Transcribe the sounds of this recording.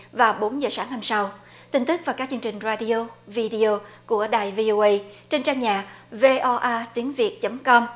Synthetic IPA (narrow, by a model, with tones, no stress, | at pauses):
vaː˨˩wɓo˨˦nzəː˨˩saː˨˦ŋha˧msa˧w | t̪ï˧˩ŋ̟t̪ɨ˦˥k̚vaː˨˩kaː˦˥k̚t͡ɕɨ˧ŋt͡ɕï˨˩ŋ̟zaː˧ɗi˧o˧vi˧ɗi˧o˧ku˧˩əɗaː˨˩jvi˧ʔo˧ʔə˧jt͡ɕe˧nt͡ɕaː˧ŋɲaː˨˩ve˧ʔɔ˧ʔaː˧t̪i˨˦əŋvi˨˩ət̚t͡ɕə˨˦mkɔ˧m